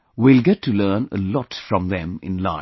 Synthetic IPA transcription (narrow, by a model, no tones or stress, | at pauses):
wilɡɛtʰːuləːnə̰lɔtfɹɔ̃mðɛ̃mɪ̰̃nlã̰ɪ̃